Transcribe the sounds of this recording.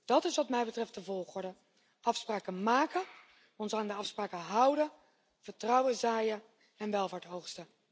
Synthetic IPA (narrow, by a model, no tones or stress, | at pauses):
d̥ɑtɪsʋɑtmɛjbətrɛft̚dəvɔlˠχʊɹdə | ʔɑfspraːkəmaːkə | ɔnsaːndəɑfspraːkəɦʌwdə | v̥əɹtrɑwəzaːjə | ɛnʋɛlˠvaːɹtɦowχstə